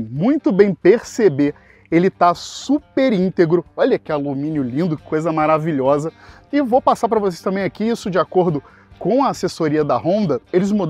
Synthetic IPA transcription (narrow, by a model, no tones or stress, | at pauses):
mũj̃t̪ʊbẽj̃peɾsebe | elɪt̪asupeɾĩnt̪eɡɾʊɔʎɐkɪalumĩnjʊlĩnd̪ʊkojzɐmaɾaviʎɔzɐ | ɪvopasaɾpɾɐvos̬ejst̪ɐ̃mbẽj̃akiisʊd͡ʒiakoɾd̪ʊ | kõw̃ɐːsesoɾiɐd̪ɐɦõnd̪ɐelɪzmu